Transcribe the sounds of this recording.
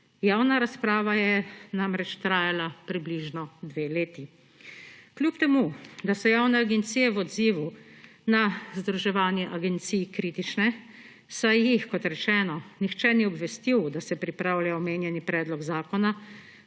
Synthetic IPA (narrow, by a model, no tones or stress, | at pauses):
jaːwnaɾaspɾaːʋajɛnamɾɛt͡ʃt̪ɾaːjalapɾibliʒnɔd̪ʋeːleːt̪i | klʲjupt̪ɛmud̪asɔjaːwnɛaɡɛnt̪siːjɛʋɔd̪ziːʋunazd̪ɾuʒɛʋaːnjɛʔaɡɛnt̪siːjkɾiːt̪it͡ʃnɛ | sajːixkɔt̪ɾɛt͡ʃɛːnɔnixt͡ʃɛniɔbʋɛst̪iwd̪asɛpɾipɾaːwljaɔmeːnjɛnipɾɛːd̪lɔɡzaːkɔna